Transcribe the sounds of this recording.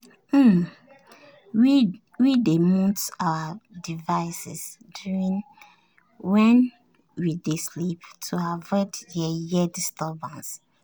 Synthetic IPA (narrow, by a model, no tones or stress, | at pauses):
m̩ | wi | widemɔ̃tawadivaɪsḭsdjuɹĩn | wɛ̃n | widesliptʰuavɛtjɛjɛdistɔbãns